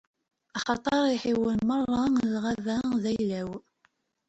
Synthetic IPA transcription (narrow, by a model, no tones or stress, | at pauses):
ɑχɑt̪ˤɑɾˤiħiwənmərˤːɑlʁavæðæjlæw